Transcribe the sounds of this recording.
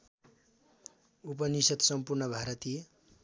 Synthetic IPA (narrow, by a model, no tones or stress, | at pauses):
up̬ʌnisʌt̪sʌmpurnʌbʱaɾʌt̪i